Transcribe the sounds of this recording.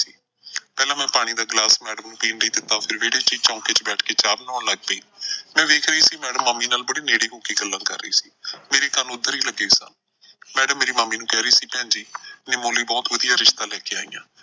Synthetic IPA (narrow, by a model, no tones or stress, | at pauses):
ḭː | pɛːlãːmɛ̃ːpaːɽ̃iːd̪aːɡlaːsmɛːɽəmnũːpiːnɖiːd̪ɪt̪ːaːpʰɪɾʋeːɽiːt͡ʃiːt͡ʃãːkeːt͡ʃbɛːʈʰkeːt͡ʃaːbnɔːɳləɡ̚pəiːmɛ̃ːʋeːkʰɾəiːsiːmɛːɖəmːəmːiːnaːlbəɽiːneːɽiːkõːkiːɡəlːãːkə̰ɾːə̰iːsiːmeːɾiːk̪ənʊd̪ːəɾiːləɡeːsa̰ːn | mɛːɖəmːeːɾiːmaːmiːnũːkɛːɾəiːsiːpɛ̃ːnd͡ʒiːnɪmoːliːbɔːt̪ʋəd̪ijaːɾɪʃt̪aːlɛːkeːaːḭjã̰ː